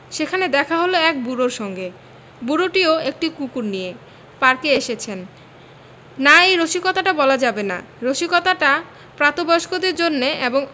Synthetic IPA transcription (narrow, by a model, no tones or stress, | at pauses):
ʃekʰaned̪ɛkʰaɦoloɛk̚buɾoɾʃɔŋɡe | buɾoʈioek̚ʈikukuɾnije | paɾkeeʃet͡ɕʰen | aejɾoʃikɔt̪aʈabɔlad͡ʑabena̰ | ɾoʃikɔt̪aʈa | pɾat̪obɔoʃkod̪eɾd͡ʑonːeeboŋ